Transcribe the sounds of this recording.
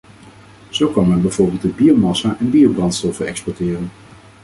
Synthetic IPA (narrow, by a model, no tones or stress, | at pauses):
z̥owkɑnmɛnbɛjv̥ʊːɹbɪlˠt̚əbiowmɑsaʔɛnbiowbrɑntstɔfəɛkspɔɹtɪːrən